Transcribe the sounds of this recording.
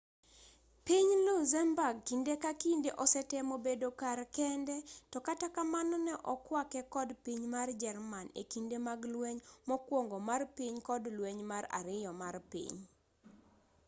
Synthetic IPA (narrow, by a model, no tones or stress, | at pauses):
piɲluzɛmbaɡ̚kindekakindeʔɔsɛtɛmobedokarkɛndɛtɔkatakamanɔnɛʔɔkwakɛkɔdpiɲmard͡ʒɛrmanḛkindemaɡlweɲmɔkwoŋɡɔmarpiɲkɔdlweɲmaɾa̰ɾɪjɔmarpḭɲ